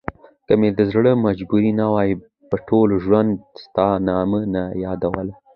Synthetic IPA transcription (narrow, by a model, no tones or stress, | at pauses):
kəmed̪əzɽəmad͡ʒbuɾinawɑji | pəʈʰolʒwand̪st̪ɑnɑmənajɑd̪awəl